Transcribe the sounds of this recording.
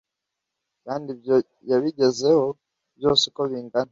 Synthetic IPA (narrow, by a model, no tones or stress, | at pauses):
kaːndibjo | jaβiɟe̞ze̞ho̞ | bjo̞ːsiko̞βiːŋɡana